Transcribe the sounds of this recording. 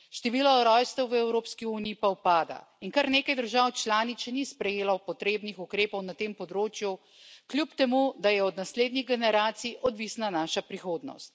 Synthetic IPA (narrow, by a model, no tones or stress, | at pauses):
ʃt̪ɛʋiːlɔɾɔjst̪ɛwʋəɛwɾoːpskiuːnijipawpaːd̪a̰iŋkaɾneːkajd̪əɾʒaːwt͡ʃlaːnit̪sɛnispɾɛjeːlawpɔt̪ɾeːbnixukɾeːpɔwnat̪eːmpɔd̪ɾoːt͡ʃju | klʲjupt̪ɛmud̪ajɛɔd̪nasleːd̪niɣɡɛnɛɾaːt̪siʔɔd̪ʋisnanaːʃapɾixoːd̪nɔ̰st̪̚